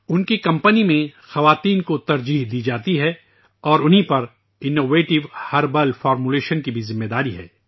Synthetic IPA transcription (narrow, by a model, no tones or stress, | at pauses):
ʊnkikɐ̃mpənimẽxɐʋaːt̪iːnkot̪ɐɾd͡ʒiːɦd̪iːd͡ʒaːt̪iɦɛː | ɔːɾʊnɦipɐɾ | ɪnoːʋeːʈɪʋhɐɾbɐlfɔːɾmuleːʃənkibʱizɪmːed̪aːɾiɦɛ̰ː